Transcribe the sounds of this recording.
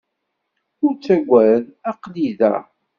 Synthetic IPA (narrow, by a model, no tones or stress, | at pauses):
ʊɾt͡sːæɡʷːæðæqliðæ̰